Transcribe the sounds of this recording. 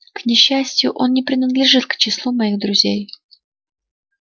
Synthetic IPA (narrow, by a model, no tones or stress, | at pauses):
knʲɪɕːæsʲtʲjʊʔo̞nnʲɪpɾʲɪnəd̪lʲɪʐɨt̪kt͡ɕɪslˠumɐiɣd̪ɾʊzʲej